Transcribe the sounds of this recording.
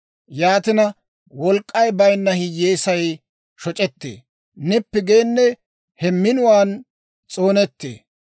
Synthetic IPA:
jaːt̪ɪnɐ | wɔlkʼːɐjbɐjnːɐhɪjeːsɐj | ʃɔt͡ʃʼɛt̪ːḛː | nɪpːɪɡe̞ːnːɛ | hɛmɪnʊwaːn | t͡sʼoːnɛt̪ːḛː

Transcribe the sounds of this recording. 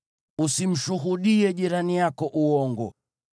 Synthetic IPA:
usim̩ʃuɦuɗiɛʄiɾanijakɔʔuɔŋɡɔ

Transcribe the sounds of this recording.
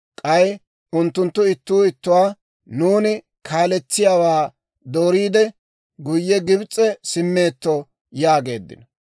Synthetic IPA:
kʼɐj | ʔʊnt̪ːʊnt̪ːʊɪt̪ːuːɪt̪ːʊwaː | nuːnɪ | kʰaːlɛt͡sːɪjaːwaː | d̪oːɾiːd̪ɛ | ɡʊjːɛɡɪbt͡sʼːɛsɪmːe̞ːt̪ːɔ | jaːɡe̞̰ːd̪ːɪ̰nɐ

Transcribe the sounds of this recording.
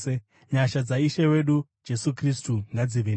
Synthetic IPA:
e | ɲaʃad͡zaiʃewe̞ɗu | d͡ʒe̞sukristuŋɡad͡ziʋe

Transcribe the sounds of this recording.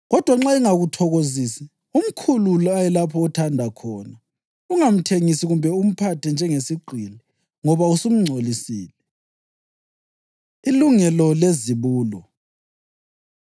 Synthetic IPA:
ɣɔd̥ʱwaŋ͡ǁaiŋaɣutʰɔɣozisi | um̩kʰululɔajɛlapʰɔːtʰandʱakʰɔːna | uŋam̩tʰeŋisiɣumbʱɛum̩pʰatʰɛnd͡ʒʱɛŋesiɡ͡ǃʱilɛ | ŋɔβausum̩ŋ͡ǀʱolisiːlɛ | iluŋɛlɔleziβuːlɔ

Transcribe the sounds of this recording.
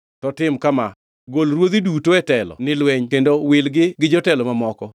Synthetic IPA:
tɔtɪmkama | ɡolɾwod̪idutoɛtɛlɔ̰nɪlwɛɲkendowɪlɡɪɡɪd͡ʒɔtɛlɔmamɔkɔ

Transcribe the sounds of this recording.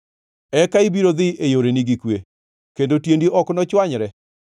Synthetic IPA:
ɛkaibiɾoðɪʔejoɾeniɡikwe | kendotjendiʔɔknɔt͡ʃwaɲɾɛ

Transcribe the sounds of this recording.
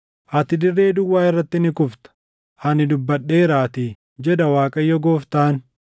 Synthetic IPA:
ʔɐt̪ɪd̪ɪrːe̞ːd̪ʊwːaːɪrːɐt̪ːɪnɪkʊft̪ɐ̥ | hɐnɪd̪ʊbːɐᶑe̞ːɾaːt̪i | d͡ʒɛd̪ɐwaːkʼɐjːɔɡoːft̪aːn

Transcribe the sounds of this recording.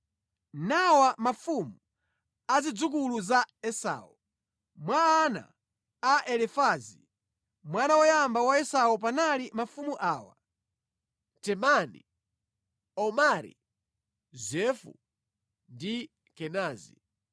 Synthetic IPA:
nawamafumu | azid͡zuk̬uluzaɛsa̰wu | mwaːna̰ | aʔɛlɛfazi | mwanawɔjambawaɛsawɔp̬analimafumuʔaːwa̰ | tɛmani | ɔmaɾḭ | zɛfṵ | ndi | kɛnaːzi

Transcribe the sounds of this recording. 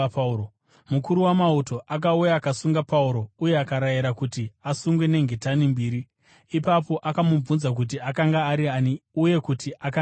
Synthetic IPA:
mukuɾuwamauto̞ʔak̬aujaːkasuŋɡapauɾo̞uje̞akaɾajiɾakutiasuŋɡwe̞ne̞ŋɡʱe̞tanimbiːɾiː | papo̞ʔakamub͡vunzak̬ut̬iakaŋɡaːɾianiuje̞kutiʔaka

